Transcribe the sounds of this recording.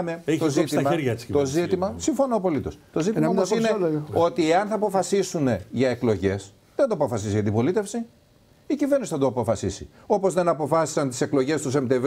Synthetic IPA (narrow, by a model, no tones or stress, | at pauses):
meet̪oszitsimɐeɾʝɐet͡st̪ozit̪imɐsiɱfo̞noːpo̞lit̪o̞st̪o̞zit̪imɐɐooosinneo̞t̪ieɐnθɐːpo̞fɐsisune̞ʝɐeklo̞ʝe̞s | ðend̪oɐpo̞fɐsisiʝɐnd̪ipo̞lit̪e̞fsi | icivenisi̥θɐd̪oɐpo̞fɐsḭsḭ | o̞po̞zðe̞nɐpo̞fɐsi̥sɐnt̪i̥se̞klo̞ʝe̞st̪us̬emt̪ev